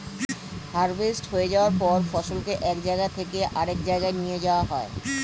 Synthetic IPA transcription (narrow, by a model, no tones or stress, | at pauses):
haɾbesʈɦoed͡ʑaoaɾpɔɾfɔʃolkeʔɛkd͡ʑaeɡat̪ʰekeʔaɾek̚d͡ʑaeɡaenijed͡ʑaoaɦɔe